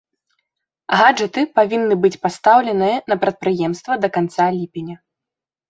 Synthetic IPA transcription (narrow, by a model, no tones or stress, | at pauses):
ɣad͡ʐɨt̪ɨpavʲinːɨbɨt͡sʲpast̪awlʲɛnɨjɐnɐpɾɐt̪̚pɾɨjɛmst̪vɐd̪ɐkant̪salʲipʲɛnʲɐ